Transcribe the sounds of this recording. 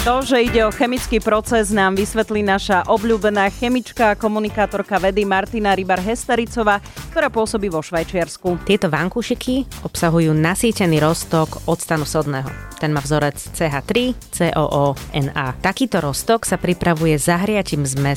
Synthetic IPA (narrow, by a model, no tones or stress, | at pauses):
t̪ɔʒɛiɟɛɔxɛmit͡skiːpɾɔt͡sɛznaːmʋisʋɛt̪liːnaʃaʔɔbʎuːbɛnaːxɛmit͡ʃkaːkɔmunikaːt̪ɔɾkaʋɛd̪imaɾt̪inaɾibaɾɦɛst̪aɾit͡sɔʋaːk̚t̪ɔɾaːpʊɔsɔbiːʋɔʃʋajt͡ʃɪaɾskut̪ɪɛt̪ɔʋaŋkuːʃikʰiɔpsaɦujuːnasiːcɛniːɾɔst̪ɔkɔt̪st̪anusɔd̪nɛːɦɔ̰t̪ɛnmaːvzɔɾɛt͡st͡sɛːɦaːt̪ɾit͡sɛːʔɔ̰ːʔɔːɛ̰naːt̪akiːt̪ɔɾɔst̪ɔksapɾipɾaʋujɛzaɦɾɪaciːmzmɛ